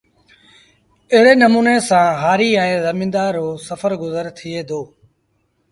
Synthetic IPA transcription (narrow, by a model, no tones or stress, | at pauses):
ɪɦɪɽeːnəmuːneːsãːɦaːɾiːɛ̃ːzəmĩːnd̪aːɾoːsəfəɾɡʊzəɾt̪ʰieːd̪oː